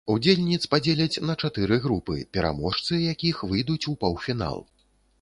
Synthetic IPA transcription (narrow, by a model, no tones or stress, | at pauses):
ud͡zʲelʲnʲit̪spad͡zʲelʲɐt͡sʲnɐt͡ʂat̪ɨɾɨɣɾupɨ̰pʲɛɾʔa̰mɔʂt̪sɨjakʲixvɨjd̪ut͡sʲupawfʲina̰lˠ